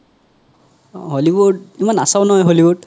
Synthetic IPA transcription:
ɦoliwud̚imanasaʊnɔɦɔjɦoliwud

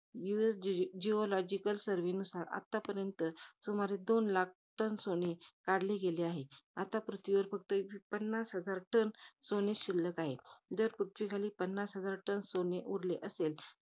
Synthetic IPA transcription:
juesd͡ʑiolɔd͡ʑikəlsəɾʋenusaɾa̰t̪ːapəɾjənt̪əsomaɾed̪onlak̚ʰʈənsonekaɽleɡeleaɦeat̪apɾut̪ʰʋiʋəɾfək̚t̪əpənːasɦəd͡zaɾʈənsoneɕilːəkaɦed͡zəɾpɾut̪ʰʋikʰaliːpənːasɦəd͡zaɾʈənsoneʔuɾleʔəsel

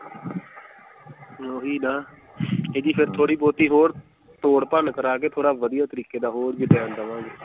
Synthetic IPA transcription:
oːɦiːnaː | eːd̪iːpʰɪɾt̪ʰoːɽiːboːt̪iːɦoːɾ | t̪oːɽpənkəɾaːkeːt̪ʰoːɽaːʋəd̪ijaːt̪əɾiːkeːd̪aːɦoːɾbiːbɛ̃ːnd̪əʋãːɡe

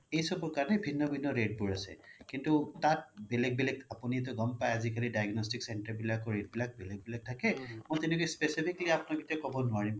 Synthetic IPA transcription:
ejsɔbɔɹkaɹɔnɛbʱinːɔbʱinːɔɹed̚buɹasɛ̰kintutat̚bɛlɛk̚bilɛkapunit̬ʊɡɔmpajazikalidajɡnɔstiksɛntaɹbilakɔɹed̚bilak̚bɛlɛk̚bilak̚tʰakɛmɔjtɛnɛkujspesipʰikliapnɔɡitakɔbɔnʊaɹim

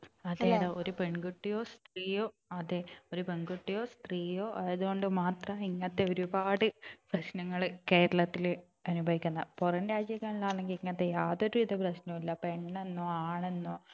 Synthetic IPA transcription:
ɐðeːðɐoɾupe̞ɳɡuʈːijo̞ːst̪riːjo̞ː | ɐðeoɾupe̞ɳɡuʈːijo̞ːst̪riːjoːʔɐɐðuɣo̞ɳɖɨmaːt̪rɐiŋːɐt̪ːe̞o̞ɾubaːɽɨprɐɕnɐŋːɐɭke̞ːɾɐɭɐt̪ːil | ɐnubʱɐʋikʲːunːɐporɐnɾaːd͡ʑjɐɣɐɭilːaːɭe̞ŋɡiliŋːɐɐt̪ːejaːðo̞ɾuʋiðɐprɐɕnɐmilːɐpe̞ɳːenːoːaːɳe̞nːoː

